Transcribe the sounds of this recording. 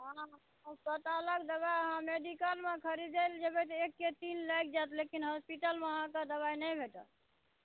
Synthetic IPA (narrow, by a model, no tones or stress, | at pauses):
əɦã | sət̪ələɡd̪əbajəɦãmeɖikəlmekʰəɾid̪eld͡ʒəbɛt̪ekːet̪inlajk̚d͡ʒat̪lekinɦɔspiʈəlmeəɦãkad̪əbajnəjbʱeʈə̰t̪